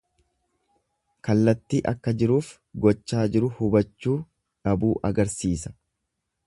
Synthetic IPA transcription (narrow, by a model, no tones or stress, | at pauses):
kɐlːɐt̪ːiːʔɐkːɐd͡ʒɪɾuːf | ɡɔt͡ʃːaːd͡ʒɪɾʊhʊbɐt͡ʃːuː | ᶑɐbuːʔɐɡɐɾsiːsɐ̥